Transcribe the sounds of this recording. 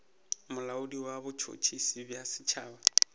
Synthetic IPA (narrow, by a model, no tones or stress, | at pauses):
mʊlaʊdiwabʊt͡ʃʰo̰t͡ʃʰisibjasɪ̥t͡ʃʰaːba